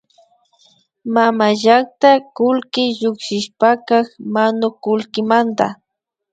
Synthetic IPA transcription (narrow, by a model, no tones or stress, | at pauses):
mamaʒak̚t̪akʊlkɪʎʊkʃɪʃpakaxmanʊkʊlkɪmant̪a̰